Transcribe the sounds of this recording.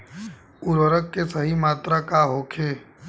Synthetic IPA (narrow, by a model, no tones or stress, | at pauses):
ʊɾəɾəkːesəɦimaːt̪ɾakaɦoːkʰeː